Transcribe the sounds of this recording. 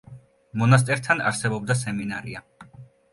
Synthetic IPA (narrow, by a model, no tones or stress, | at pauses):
mɔnas̬t̪ʼɛɾt̪ʰana̰ɾsɛbɔb̚d̪as̬ɛminaɾia̰